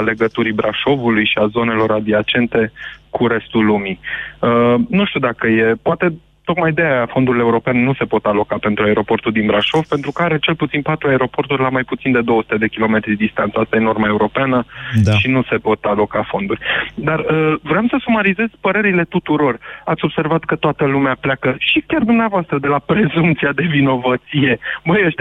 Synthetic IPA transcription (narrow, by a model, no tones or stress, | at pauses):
ale̞ɡət̪uɾibɾaʃo̞vulujʃiazo̞ne̞lo̞ɾad̪iat͡ʃe̞nt̪e̞kʰuɾe̞st̪ulumiənuʃt̪ud̪akəje̞poat̪e̞ | t̪o̞kmajd̪ejajafo̞nd̪uɾileuɾo̞penenuse̞po̞t̪alo̞kape̞nt̪ɾuae̞ɾo̞po̞rt̪urʲd̪inbɾaʃo̞vpe̞nt̪ɾukəaɾe̞t͡ʃe̞lput̪sinpat̪ɾuae̞ɾo̞po̞rt̪urʲlamajput̪sind̪e̞d̪owəsu̥t̪e̞d̪e̞kʲilo̞me̞t̪ɾid̪ed̪ist̪ant̪səast̪ajeno̞rmae̞uɾo̞peanəʃinuse̞po̞t̪alo̞kafo̞nd̪urʲd̪arəvɾeamsəsumaɾize̞z̥ʲpəɾe̞ɾile̞t̪ut̪uɾo̞rat̪sʲo̞bse̞rvat̪kət̪oat̪əlumeaplakəʃikʲard̪umneavoast̪ɾəd̪e̞lapɾe̞zumpt̪siad̪e̞vino̞vət̪sije̞bəjeʃt̪